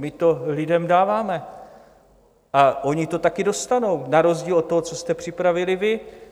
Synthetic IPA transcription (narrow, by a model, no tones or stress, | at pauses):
mɪt̪o̞lɪdɛmdaːvaːmɛ | ʔaʔo̞ɲɪt̪o̞t̪akɪdo̞st̪ano̞wnaɾo̞zɟiːlot̪ːoɦot͡so̞st̪ɛpr̝̥ɪpɾavɪlɪvɪ